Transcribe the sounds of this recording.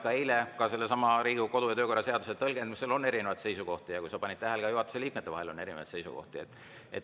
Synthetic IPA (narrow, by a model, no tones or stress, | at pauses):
kːɑejlekɑse̞lːesɑmɑɾiːɡ̥uko̞d̪ujɑt̪øːko̞rːɑse̞ɑd̪uset̪ɤlɡenmiselo̞nːe̞ɾine̞vɑd̪se̞jsuko̞ht̪ijɑkujsɑpɑnʲid̪̥̚t̪æɦelkɑjuɦhɑt̪e̥seliːk̚met̪ːeɑ̰he̞lo̞nːe̞ɾinevɑ̰j̪d̪se̞jsṵko̰ht̪iet̪ːˑ | ḛt̪